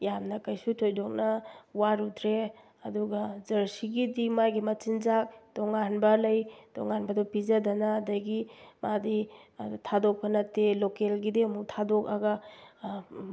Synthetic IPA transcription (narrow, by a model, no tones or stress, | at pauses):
jamnɐkɐjsutʰojdɔk̚nɐwaɾutʰɾe | ɐduɡɐzɐɾsiɡidimajɡimɐt͡ʃinzak̚dɔŋanbɐlɐjd̥ɔŋanbɐdɔpizadɐnaːdajɡimaditʰadok̚pʰɐnɐtelokelɡidiumuk̚tʰadɔk̚aɡa